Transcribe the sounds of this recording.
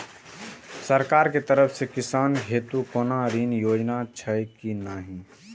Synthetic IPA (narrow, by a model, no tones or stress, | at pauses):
səɾkaːɾket̪əɾəpʰsekɪsaːnɦeːt̪ukoːnaɾiːnjoːd͡ʒnat͡ʃʰəɪkinaːɦĩ